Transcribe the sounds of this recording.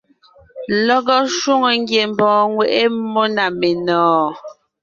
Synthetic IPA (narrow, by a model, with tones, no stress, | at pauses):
lɔ˦ɡɔ˦ʃwu˦ŋo˨ŋ˦ɡje˨m˨bɔ̃ː˨˦ŋwe˨ʔe˦mo˦na˨me˨nɔ̃ː˨˦